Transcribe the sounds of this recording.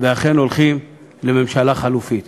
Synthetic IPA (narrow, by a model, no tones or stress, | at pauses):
veaχenolχim | lememʃalaχalufit̪